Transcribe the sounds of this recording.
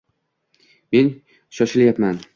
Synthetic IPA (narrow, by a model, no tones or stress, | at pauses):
me̞n | ʃɒʃɪljapman